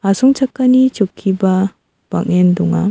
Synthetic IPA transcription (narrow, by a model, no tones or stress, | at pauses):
asɔŋt͡ʃʰakːanit͡ʃukʰːiba | b̥a̰kendɔŋa̰